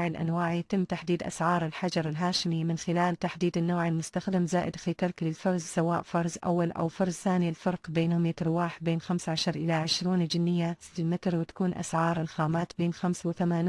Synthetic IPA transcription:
ʕɪlʔa̰nwaːʕjat̪ɪmːt̪aħd̪iːd̪ʔa̰sʕɑːɾˤɪlħad͡ʒɑɾˤɪlɦaːʃɪmimɪnxɪlaːlt̪aħd̪iːd̪ɪnːoːʕɪlmʊst̪axd̪ɪmzaːʔɪd̪xet̪ɑɾˤklɪlfɑɾˤzsawaːʔfɑɾˤzʔa̰wːalʔa̰wfɑɾˤzθaːnilfɑɾˤqbeːnhʊmjɪt̪ɾwaːħ̚beːnxamsʕaʃɑɾˤʔɪlaʕɪʃɾuːnd͡ʒɪnːɪjːasɪ̥t̪ːɪlmɪt̪ɾwɪt̪ḁkuːnʔa̰sʕɑːɾˤɪnxaːmaːt̪beːnxamswɪθamaːniː

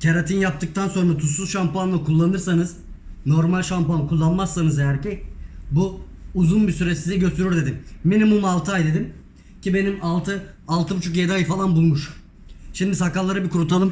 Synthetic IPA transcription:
cʰaɾat̪ʰinjap̚t̪ʰɯk̚t̪ʰanso̞nɾat̪ʰusuzʃampanˠakulˠːanɯɾsanɯzno̞ɾmalʲʃampankʰulˠːanmasːanɯzeæɾcɛbuːzunbisyɾɛsizɛɟøst̪ʰyɾyɾd̪e̞d̪imːenimumalˠt̪ʰɯajd̪e̞d̪im | cʰibe̞nimalˠt̪ʰɯalˠt̪ʰɯbut͡ʃʰuk̬jed̪aːjɯfalˠanbulˠmuʃ | ʃimd̪isakalˠːaɾɯbikʰuɾut̪ʰalˠɯm

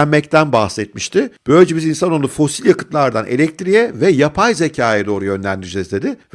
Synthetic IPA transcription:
ænmɛct̪ʰænbahsɛt̪̚miʃt̪ʰɪb̥ø̞jlʲed͡ʒebizinsanolˠufo̞silʲjakɯ̥t̪lˠaɾd̪anelʲɛc̚t̪ɾijɛvɛjapʰajze̞cʰaːjɛd̪o̞ːɾujø̞nlʲænd̪iɾd͡ʒɛzd̪e̞d̪ɪv

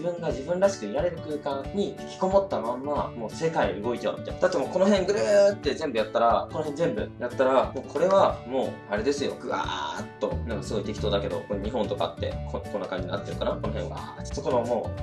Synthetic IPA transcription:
ibɯ̟̃ŋɡad͡ʑibɯ̟̃nɾaɕi̥kɯ̟iɾaɾe̞ɾɯ̟kɯ̟ːkãɲ̟ikʲi̥ko̞mo̞t̪ːamãmːa̰mo̞ːse̞kaioɯ̟ɡo̞it̪a̰ɯ̟mʲit̪a̰jnad̪at̪ːemo̞ːko̞noɦẽ̞ŋɡɯ̟ɾɯt̪ːe̞zẽ̞mbɯjat̪ːaɾako̞no̞ɦenzẽmbɯ̟̰jat̪ːaɾamo̞ːkʰo̞ɾe̞βamo̞ː | aɾe̞d̪e̞sɨjo̞̰ɡɯ̟a̰t̪ːo̞nãŋkasɨɡo̞it̪e̞kʲit̪oːd̪ake̞d̪o̞̰koɲ̟iɦõ̞nt̪o̞ka̰t̪ːe̞̰kokʰonːakãɲd͡ʑina̰t̪ːeɾɯ̟kanako̞no̞ɦẽβa̰t̪ːe̥t̪oko̞ɾoamo̞ː

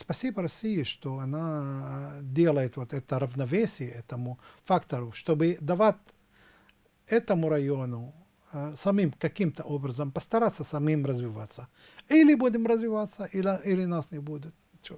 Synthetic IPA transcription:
spɐsʲibəɾɐsʲijɪʂt̪oɐna | d̪ʲelˠəjɪt̪vot̪ɛt̪əɾɐvnɐvʲesʲɪjəɛt̪əmʊfakt̪ɐɾʊʂt̪obɨd̪ɐvat̪ʲ | ɛt̪əmʊɾɐjonʊ | sɐmʲimkɐkʲimt̪əʔobɾɐzəmpɐst̪ɐɾat̪sːɐsɐmimrɐzvʲɪvat̪sːə | ilʲɪbud̪ʲɪmrɐzvʲɪvat̪sːəʔilʲilʲɪnasnʲɪbud̪ʲɪt̪ | t͡ʃo

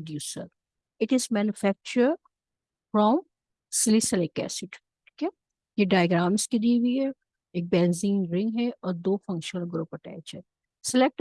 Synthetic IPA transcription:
ɖjuːsə̰ɾ | ɪʈɪzmɛːnjufɛk̚t͡ʃəɾ | fɾɔm | sɪlisəlekɛ̰ːsɪʈ | i̥ke | jeɖaːjɡɾaːmɪskid̪iʋiɦɛ | eːk̚bɛ̃ːnzĩŋɾɪ̃ŋɡɦɛɔːɾd̪oːfɐ̃ŋkʃənəlɡɾoːpəʈɛ̰ɪt͡ʃɛ | sɪlek̚ʈ

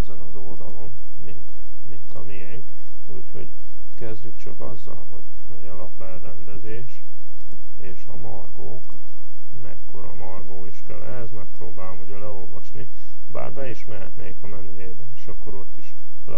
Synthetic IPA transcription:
ɛzɛnɒzo̞ld̪ɒlo̞m | mint̪ | mint̪ɒmijɛŋk | ṵːcho̞̰ɟ | kɛzɟykt͡ʃɒkɒzːɒ̰lɦo̞ɟ | hoɟɛlɒpɛlrɛnd̪ɛzeːʃ | eːʃɒ̰mɒrɡo̰ːk | mɛ̰kːo̞ɾɒ̰mɒrɡoːiʃkɛ̰lʔɛɦɛzmɛrt̪̚pro̰ːbaːlomuɟɒlɛo̞lvɒʃni | ba̰ːrbɛiʃmɛɦɛ̰t̪neːkɒmɛnyjeːbɛneːʃɒkːo̞ɾo̞t̪ːiʃ | lɛ̰

